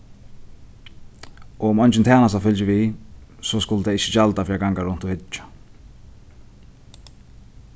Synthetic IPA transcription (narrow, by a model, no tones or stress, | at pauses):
ɔʊmɔnt͡ʃɪnt̪ʰɛːnast̪afʏlt͡ʃɪvisɔskʊlt̪ɛɪt͡ʃːɪ̥t͡ʃalt̪afɾiːaɡaŋkaɾʊn̥t̪ʊhɪt͡ʃḁ